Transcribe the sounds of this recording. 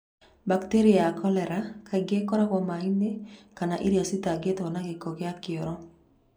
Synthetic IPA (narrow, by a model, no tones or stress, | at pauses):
bakteɾɪakɔlɛɾakʰaɡekɔɾakɔmahinekanaʔiɾiasitaɡetɔnakekokeakɪoɾɔ